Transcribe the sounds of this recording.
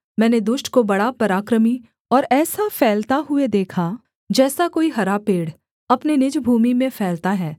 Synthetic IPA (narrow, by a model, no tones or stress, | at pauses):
mɛ̃ːned̪ʊʃʈkobɐɽapɐɾaːkɾəmi | ɔːɾɛːsafʰɛːlt̪aɦʊed̪eːkʰa | d͡ʒɛːsakoːiɦɐɾapeːɽ | ɐpnenɪd͡ʒbʱuːmimẽfʰɛːlt̪aɦɛː